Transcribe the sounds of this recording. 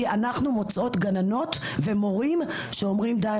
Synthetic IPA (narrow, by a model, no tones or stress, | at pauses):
anaχnumo̞t͡sʔo̞t̪ɡanano̞t̪ | ve̞mo̞ʁim | ʃe̞o̞mʁimd̪a